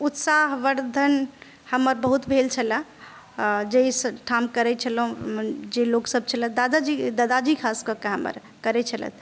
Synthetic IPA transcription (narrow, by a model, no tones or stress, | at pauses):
ut̪saɦʋəɾd̪ʱən | həmːəɾbəɦut̪bʱelt͡ʃʰələ̃ | d͡ʒeisʈʰamkəɾɛt͡ʃʰəlɦũd͡ʒeloksəb̚t͡ʃʰələd̪ad̪ad͡ʒid̪ad̪ad͡ʒikʰaskəkeɦəmːə̰ɾ | kəɾɛt͡ʃʰələ̰t̪ʰ